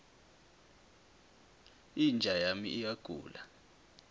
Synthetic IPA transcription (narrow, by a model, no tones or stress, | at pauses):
ind͡ʒʱajamḭʔijaɡ̥ʱṵːla̰